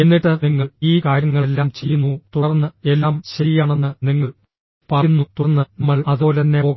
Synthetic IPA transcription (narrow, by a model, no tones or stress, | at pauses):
e̞nːiʈːɨniŋːɐɭiːkaːɾjɐŋːɐɭelːaːmt͡ɕe̞jːunːut̪uɐrɐnːɨelːaːmɕɐɾijaːɳe̞nːɨniŋːɐɭ | pɐnːut̪urɐnːɨnɐmːɐɭɐðɨlɐnːeoː